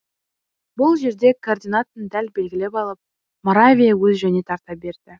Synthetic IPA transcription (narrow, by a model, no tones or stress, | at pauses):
bʊlˠʒe̞ɾd̪e̞kʰord̪ʲinat̪ənd̪ælbe̞lɡʲɪle̞pɑlˠəp̚ | moɾavʲijawɵzʒæne̞t̪ʰɑɾt̪ɑp̚be̞ɾd̪ɪ